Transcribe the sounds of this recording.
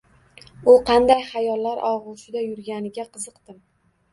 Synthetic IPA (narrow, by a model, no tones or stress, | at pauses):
ʊqʰɑnd̪ajhajɒlːaɾʔɒʁʊʃɪd̪ajʊɾɡʲanɪɡʲaqʰɨzɨqt̪ɪm